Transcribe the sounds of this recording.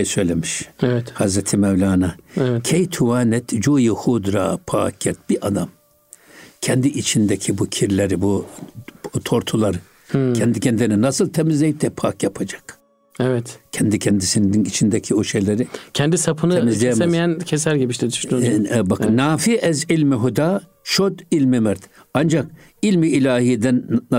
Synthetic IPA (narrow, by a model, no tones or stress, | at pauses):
ejsøjlʲɛmiʃevɛt̪hazɾɛt̪ʰimɛvlʲaːnaevɛcʲʰɛjt̪ʰuwaːnɛt̪ʰd͡ʒujihud̪ɾa̰ːpʰa̰ːkʰːɛt̪̚b̥iʔad̪am | cʰɛnd̪iʔit͡ʃʰind̪ɛcʰibucʲʰiɾlʲeɾibu | t̪ʰoɾt̪ʰulˠaɾɯ | cʰɛnd̪icʲʰɛnd̪lsnɛnasɯlˠt̪ʰɛmizlʲejip̚d̪ɛpʰakjapʰad͡ʒḁk | ɛvɛt̪cʰɛnd̪icʰɛnd̪isininit͡ʃʰind̪ɛcʰioʃejlʲeɾicʰɛnd̪isapʰɯnɯɛmizlʲɛjmemijæncʰɛs̬æɾɟibiʃt̪ʰɛd̪yʃnːbaknaːfiʔɛzilʲmiɦud̪aː | ʃod̪ilʲmimɛɾt̪ | and͡ʒak | ilʲmiːlʲaːhid̪ɛn